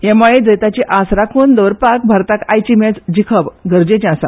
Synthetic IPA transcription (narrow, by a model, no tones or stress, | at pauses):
jemaɭed͡zəjt̪at͡ɕiʔasɾakʰuːnd̪əʋɾpak̚bʱaɾt̪akajt͡ɕimet͡sd͡ʑikʰəʋɡʱəɾd͡ʑet͡ɕasa̰